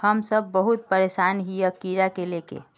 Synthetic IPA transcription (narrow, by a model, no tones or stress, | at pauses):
həmsəbːəɦut̪̚pəɾesanɦijəkiɾakelekḛ